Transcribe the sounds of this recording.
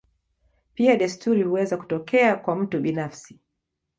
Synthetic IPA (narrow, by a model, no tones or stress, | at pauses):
piaɗastuɾihuwɛzaku̥tɔkɛakwam̩tuɓinafsi